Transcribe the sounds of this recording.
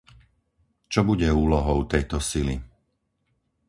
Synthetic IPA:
t͡ʃɔbuɟɛuːlɔɦɔʊt̪ɛjt̪ɔsilḭ

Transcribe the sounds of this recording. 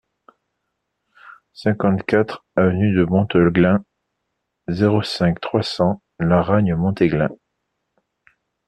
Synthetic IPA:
sɛ̃kɑ̃t̪kat̪χavənyd̪əbɔ̃t̪ɔlɡlɛ̃ | zeʁosɛ̃kt̪χwasɑ̃ | laʁaɲəmɔ̃t̪eɡlɛ̃

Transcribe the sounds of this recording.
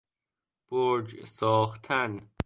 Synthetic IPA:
b̥oɾd͡ʒsɒːxt̪ʰæn

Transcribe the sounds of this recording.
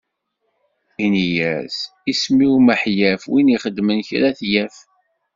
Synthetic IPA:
inijæzismiwməħjæfwiniχəd̪mənçɾæθjæf

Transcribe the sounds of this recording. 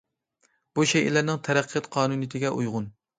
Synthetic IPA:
b̥uʃɛjɪ̰læɾnɪŋt̪ʰæɾæqʰːɨt̪qʰɑːnunɨjt̪ʰɪɡʲɛʔujʁʊn

